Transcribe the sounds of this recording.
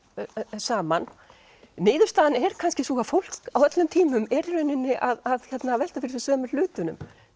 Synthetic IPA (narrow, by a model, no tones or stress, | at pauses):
saːman | nɪːðʏ̥st̪aːðnɛɾ̥kʰanscɪsuːɣafowl̥kawɛt̪lʏmt̪ʰiːmʏmɛɾrʏnɪnːɪʔaðaðçɛt̪navɛlt̪afɪɾɪsɪsœːmʏl̥ʏːt̪ʏnʏ̰m